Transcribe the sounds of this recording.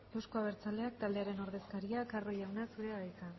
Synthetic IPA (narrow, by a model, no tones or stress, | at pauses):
ewskoaβe̞ɾt͡sale̞ak̚t̪ald̪e̞aɾe̞no̞ɾð̞e̞skaɾiakaro̞jawnasuɾe̞aβajka